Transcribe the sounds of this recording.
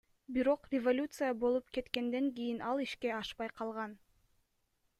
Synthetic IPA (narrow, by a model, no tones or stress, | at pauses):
biɾo̞qrʲɪvolʲut̪sɨjabo̞lˠupke̞t̪ke̞nd̪e̞ŋkʲijinɑlˠiʃke̞ɑʃpɑjqʰɑlˠʁɑn